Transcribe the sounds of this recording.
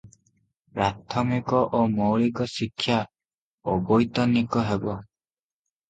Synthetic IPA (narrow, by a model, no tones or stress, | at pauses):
pɾat̪ʰɔmikɔʔomowɭikɔsikʰːja | obɔjt̪ɔnːikɔɦebɔ